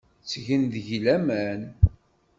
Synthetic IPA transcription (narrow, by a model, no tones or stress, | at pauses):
t͡sːʝənðəʝlæmæn